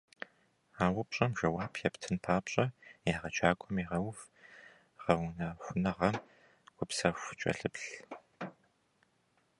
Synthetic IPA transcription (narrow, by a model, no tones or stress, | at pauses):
aːwʊpɕʼɐmʒʷɐwaːpʰjɛptʰɨnpʰaːpɕʼɐjaːʁɐt͡ʃʰʼaːkʷʼʊmiʁɐwv | ʁɐwʊnɐxʷʊnɐʁɐm | ɡʷʰʼʊpsɐxʷt͡ʃʼɐ̰ɬɨpɬ